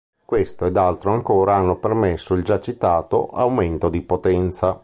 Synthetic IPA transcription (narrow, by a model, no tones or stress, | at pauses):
kwest̪oed̪alt̪ɾoaŋkoːɾaanːopermesːoild͡ʒat͡ʃːit̪aːt̪o̰ʔawment̪od̪ipot̪ɛnt̪sa